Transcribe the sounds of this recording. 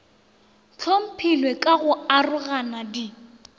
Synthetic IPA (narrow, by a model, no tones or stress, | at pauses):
t͡ɬʰom̩pʰilwekʼaɣʊarʊɣanadi